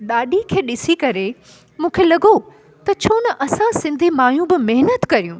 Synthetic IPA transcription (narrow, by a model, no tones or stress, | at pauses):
ɗaːɗikʰeːɗɪsikɐɾe | mũːkʰeːlɐɠo | t̪ɐt͡ɕʰoːnɐʔɐsãsɪ̃nd̪ʱimaːjũbɪmeɦnət̪kɐɾijũː